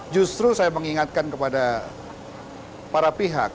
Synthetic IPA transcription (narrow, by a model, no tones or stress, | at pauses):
d͡ʒust̪ɾusajaməŋiŋat̪̚kankəpada | paɾapiɦa̰k̚